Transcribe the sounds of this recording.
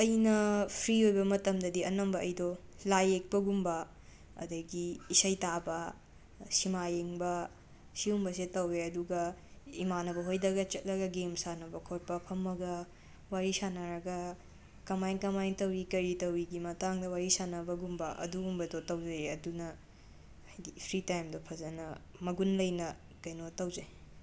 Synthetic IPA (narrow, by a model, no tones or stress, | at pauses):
ɐjnɐpʰɾiojbɐmɐtɐmdɐdiɐnɐmbɐɐjdolajek̚pɐɡumbɐ | ɐ̰dɐɡiːsɐjtabɐ | simajeŋbɐ | siumbɐsetɐweɐduɡɐimanɐbɐɦojdɐɡɐt͡ʃɐt̚lɐɡɐɡemsanɐbɐkʰot̚pɐpʰɐmːɐɡɐ | waɾisanɐɾɐɡɐ | kɐmajŋkɐmajŋtɐwɾikɐɾitɐwɾiɡimɐtaŋdɐwaɾisanɐbɐɡumbɐʔɐ̰duɡumbɐdotɐwd͡ʒɐjɐdunɐ | hajɡipʰɾitajmdɐpʰɐzɐnɐ | mɐɡunlɐjnɐ | kɐjnotɐwzɐj